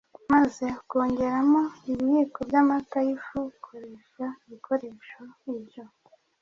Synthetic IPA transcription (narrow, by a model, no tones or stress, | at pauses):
maze̞ko̞ːɲɟe̞ɾamo̞iβijikobɟamakajifukʰoɾeːʃaiβikʰo̞ɾe̞ːʃoibjo̞